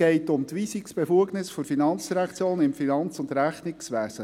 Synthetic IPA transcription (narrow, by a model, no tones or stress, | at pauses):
ɛɪtʊmt̪ʋisiksb̥efuəɡnɪsfɔɾfinɑnt͡sɾɛkt͡sjoːnɪmfinɑnt͡sʊndɾæχnɪksʋæːsə